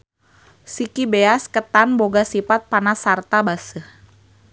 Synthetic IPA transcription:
sikibeaskət̪anboɡasipat̪̚panasart̪abasəh

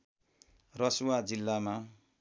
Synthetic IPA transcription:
rʌsuwad͡zilːama

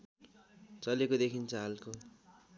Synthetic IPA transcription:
t͡sʌlekod̪ekʰint͡sʰʌɦalko

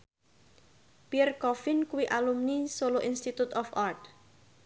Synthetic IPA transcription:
piɛrkɔfɪnkuwiʔalumnisoloʔinst̪it̪ut̪ɔfart̪

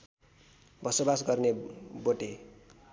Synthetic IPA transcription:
bʱʌsʌbasɡʌrneboʈe

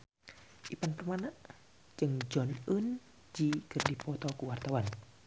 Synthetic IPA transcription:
ʔipanpərmanaʔ | d͡ʒɨŋd͡ʒɔnun | d͡ʒikərdipɔt̪ɔkuwart̪awan

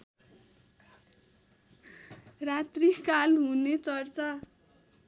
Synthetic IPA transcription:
rat̪rikalɦunet͡sʌrt͡sʌ

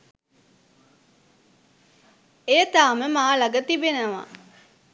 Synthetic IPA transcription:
eːt̪aːməmaːlɐɡət̪ibenəʋa̰

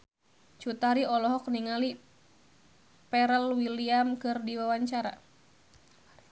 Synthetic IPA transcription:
t͡ʃut̪aɾiɔlɔɦɔkniŋali | pɛɾəlwiliamkɨrdiwawaɲt͡ʃaɾa̰

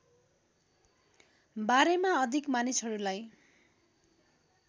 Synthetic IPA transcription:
baɾemaʌd̪ʱikmanisʌɾulaj

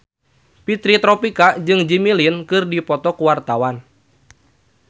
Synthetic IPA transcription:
pit̪ɾit̪ɾɔpikad͡ʒɨŋd͡ʒimilinkɨrdipɔt̪ɔkuwart̪awan

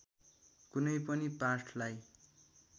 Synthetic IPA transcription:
kunʌjpʌniparʈʰlaj

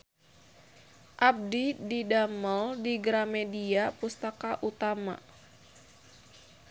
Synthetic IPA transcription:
ʔab̚dididaməldiɡɾamɛdiapust̪akaʔut̪ama̰

